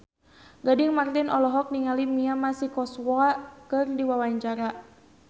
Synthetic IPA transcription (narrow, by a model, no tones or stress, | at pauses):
ɡadɪŋmart̪inɔlɔɦɔk̚niŋalimiamasikɔswɔakɨrdiwawaɲt͡ʃaɾa